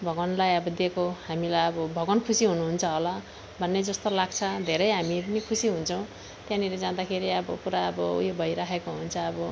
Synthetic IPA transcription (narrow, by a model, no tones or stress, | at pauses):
bʱʌɡʌnlajʌbʌd̪ekohamilajʌbʌbʱʌɡʌnkʰusiɦunuɦunt͡sʰʌɦʌlʌ | bʱʌnːed͡zʌst̪olaɡt͡sʰʌd̪ʱeɾʌjɦamipʌnikʰusiɦunt͡sʰʌw̃ | t̪jãniled͡zãd̪akʰeɾiʌbʌpuɾaːbʌṵjobʱʌjɾaɦʰekoɦunt͡sʰʌːbʌ